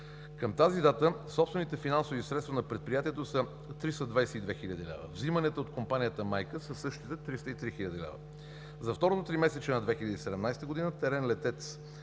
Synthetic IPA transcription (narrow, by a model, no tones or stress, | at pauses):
kəmt̪azid̪at̪əsɔpst̪vɛnit̪ɛfinansovisɾɛt̪t̪vɐnɐpɾɛt̪̚pɾijat̪iɛt̪osə | t̪ɾist̪əd̪vajsɛid̪vɛxilʲəd̪ilɛ̰və̰vzimɐnɛt̪əot̪̚kompanijət̪əmajkəsəsɤʃt̪i̥t̪ɛt̪ɾist̪əit̪ɾixilʲəd̪ilɛ̰və̰ | zɐft̪ɔɾot̪ot̪ɾimɛsɛt͡ʃɛnɐd̪vɛxilʲəd̪iːsɛd̪ɛmnajst̪əɡod̪inət̪ɛɾɛnlɛt̪ɛt̪s